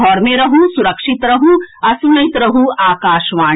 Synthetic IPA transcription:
ɔːɾmẽɾɐɦũsʊɾəkʃɪt̪ɾɐɦuɐsunɐɪt̪ɾɐɦuaːkaːʃʋaː

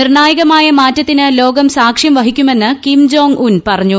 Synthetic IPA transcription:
nirɳaːjɐɣɐmaːjɐmaːtːɐt̪ːinɨlo̞ːɡɐmsaːkʂjɐmʋɐɦikʲːume̞nːɨkimd͡ʑo̞ːŋɡunpɐrɐɲːu

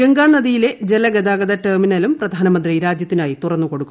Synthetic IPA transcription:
ɡeŋɡaːnːɐðijile̞d͡ʑelɐɡɐd̪aːɡɐd̪ɐʈɐrminɐlumprɐd̪ʱaːnɐmɐnd̪riɾaːd͡ʑjɐt̪ːinaːjit̪urɐnːuko̞ɽukːu

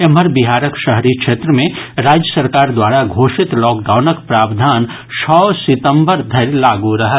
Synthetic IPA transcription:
ɛməɾbɪɦaːɾəkʃəɦɾikʃʰeːt̪ɾəmẽɾaːd͡ʒjəsəɾkaːɾd̪waːɾaɡʱoːʃɪt̪lɔːkɖaːʊnəkpɾaːbd̪ʱaːn | ʃʰɔːsɪt̪ə̃mbəɾd̪ʱɐɾlaːɡuɾɐɦa

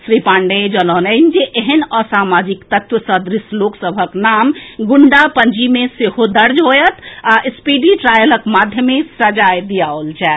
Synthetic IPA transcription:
sɾipãːɳɖed͡ʒənɔnənd͡ʒeʔeɦənəsamad͡ʒikt̪ət̪ʋəsəd̪ɾisloksəbʱəknamɡuɳɖapəɲd͡ʒimeseɦod̪əɾd͡ʒɦojət̪ʰaʔispiɖiʈɾajələkmad̪ʱjəmesəd͡ʒajd̪ijaolt͡ʃʰɛ

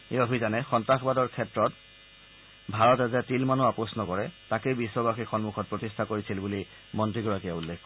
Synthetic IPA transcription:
eobʱizanɛxɔntaxbadɔɹkʰɛtɹɔt | bʱaɹɔtɛzɛtilmanuapɔsnɔkɔɹɛtakejbisːɔbaxixɔnmuxʰɔt̚pɹɔtistʰakoɹisilbuli | mɔntɹiɡɔɹakiaulːɛk

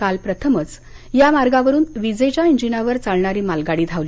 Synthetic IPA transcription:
kalpɾət̪ʰəmət͡s | jamaɾɡaʋəɾuːnʋid͡zet͡ɕjaiɲd͡ʑinaʋəɾt͡saɭɳaɾiːmalɡaɽiːd̪ʱaʋli

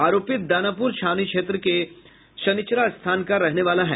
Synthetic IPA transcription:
aːɾoːpɪt̪̚d̪aːnapuɾʃʰaːnikʃeːt̪ɾəke | ʃɐnɪt͡ʃɾast̪ʰaːnkaɾɛɦneʋaːlaɦɛ̰ː

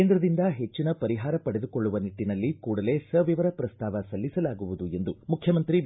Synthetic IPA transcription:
eːnd̪ɾɐd̪ind̪ɐɦe̞t͡ʃːinɐpɐɾiɦaːɾɐpɐɽed̪ukoɭːuʋɐniʈːinɐlːikuːɽɐle̞ːsɐʋiʋɐɾɐpɾɐst̪ʰaːʋɐsɐlːisɐlaːɡuʋud̪ue̞nd̪umukʰjɐmɐnt̪ɾi

